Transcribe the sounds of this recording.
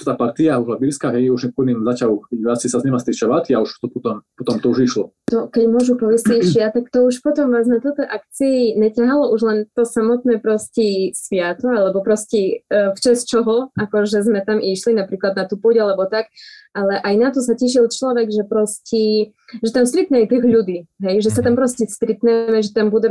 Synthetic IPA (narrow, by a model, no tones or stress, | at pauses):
t̪aːpaɾt̪iauʒlabiːlskaɦɛjuʒnɛpɔnimzacauasisazɲɛmast̪it͡ʃɛʋat̪iauʃt̪ɔpɔt̪ɔmpɔt̪ɔmt̪ɔuʒiʃlɔt̪ɔkɛɟmʊɔʒupɔʋisɛʒɛat̪akt̪ɔuʃpɔt̪ɔmʋaːznat̪ut̪ɔʔakt͡siːɲɛcaɦalɔuʒlɛnt̪ɔsamɔt̪̚nɛːpɾɔscisʋɪat̪ɔalɛbɔpɾɔscɛft͡ʃast͡ʃɔɦɔakɔʒɛzmɛt̪amiʃlinapɾiːklad̪̚nat̪uːpuːɟalɛbɔt̪akʔalɛʔajnat̪ɔs̬acɛʃ̬ilˠt͡ʃlɔʋɛɡʒɛpɾɔscɛ | ʒɛt̪amst̪ɾit̪ɲɛjt̪iɣʎud̪iːɦɛjʒɛsat̪ampɾɔscɛst̪ɾit̪ɲɛmɛʒɛt̪ambud̪ɛ